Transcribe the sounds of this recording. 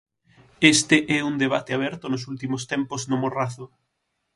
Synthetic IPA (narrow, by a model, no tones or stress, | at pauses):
est̪ɪʔɛund̪eβ̞at̪ɪaβ̞ɛɾt̪ʊnʊsult̪imʊst̪ɛmpʊznomoraθʊ